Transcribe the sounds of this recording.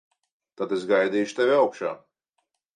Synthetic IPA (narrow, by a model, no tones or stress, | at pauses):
t̪ad̪esɡajd̪iːʃu̥t̪evʲiawkʃa̰ː